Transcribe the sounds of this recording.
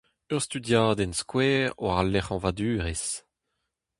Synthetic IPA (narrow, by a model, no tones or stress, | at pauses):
œʁst̪yd̪jaːd̪ɛnskwɛːʁwaʁalːɛχɑ̃vad̪yːʁes